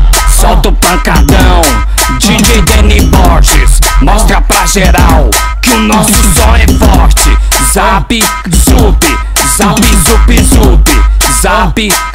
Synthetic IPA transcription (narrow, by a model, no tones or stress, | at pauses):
sɔwt̪ʊpɐ̃kad̪ɐ̃w̃ | d͡ʒid͡ʒed̪ẽnibɔʒɪ̰smɔst̪ɾɐpɾɐʒeɾaw | kɪʊnɔsʊzõɛfɔɾt͡ʃɪ̰ | zapɪ | zupɪ | zapizupizupɪzapɪ